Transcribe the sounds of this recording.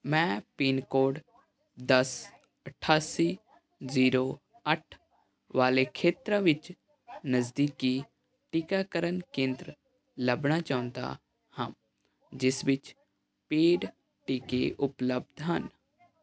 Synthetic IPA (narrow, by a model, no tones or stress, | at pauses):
mɛ̃ːpiːnkoːɖ | d̪əs | əʈʰaːsiː | ziːɾoː | əʈʰ | ʋaːleːkʰeːt̪ɾãːʋɪt͡ʃ | nəzd̪iːkiː | ʈɪkaːkəɾənkẽːnd̪ɾ | ləbɳaːt͡ʃaːʊ̃nd̪a̰ː | hãːm | d͡ʒɪsʋɪt͡ʃ | peːɖ | ʈikḛːʔʊpləb̚d̪ɦən